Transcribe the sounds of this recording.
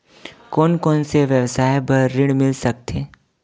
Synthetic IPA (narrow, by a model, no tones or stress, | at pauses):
kɔːnkɔːnseʋjəʋsaːebəɾːɪɽmɪlsɐk̚t̪ʰeː